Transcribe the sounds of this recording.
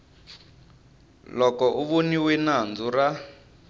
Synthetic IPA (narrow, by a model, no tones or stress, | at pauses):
lɔkɔʔuβoniwɛnand͡zura